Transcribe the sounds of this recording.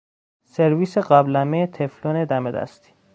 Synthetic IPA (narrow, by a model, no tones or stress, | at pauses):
seɾviːseɢæblæmeet̪ʰefloːned̪æmed̪æ̰st̪ʰi̥